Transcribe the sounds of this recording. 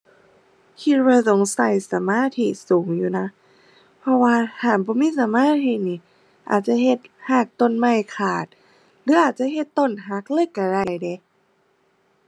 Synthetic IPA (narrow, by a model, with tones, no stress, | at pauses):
kʰi˧we˧so˨˦ŋsa˧˩jsa˨˦maː˧˥˨t̪ʰi˧suː˨˩˦ŋjuː˨˩na˧˦˥ | pʰɔ˧waː˧h̪ʰaː˨˩nbɔː˧˦miː˧˥˨sa˨˦maː˧˥˨t̪ʰi˧˩niː˧˩ | ʔa̰ː˨˩t̪̚t͡ɕa˧˦he˧˩t̪̚haː˧˩k̚t̪o˧˩˨nma˧˩jkʰaː˨˩t̪̚ | lɯ˧˥˦ʔaː˨˩t̪̚t͡ɕa˧˨ɦe˧˩t̪ːo˧˥˨nɦa˧˥k̚lɤ˧˥˨jka˧˩ɾa˧˩jde˧˦